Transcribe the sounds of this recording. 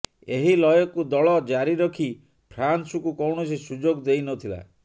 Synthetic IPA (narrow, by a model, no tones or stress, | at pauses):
eɦilɔjɔkud̪ɔɭɔd͡ʒaɾiɾɔkʰi | pʰɾansukukɔwɳɔt͡ʃʰisud͡ʒoɡd̪ejnɔt̪ʰila̰